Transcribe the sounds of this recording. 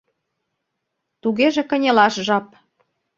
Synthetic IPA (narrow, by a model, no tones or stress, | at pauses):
t̪uɣeʒĕkə̆nʲelɑʃʒɑp̚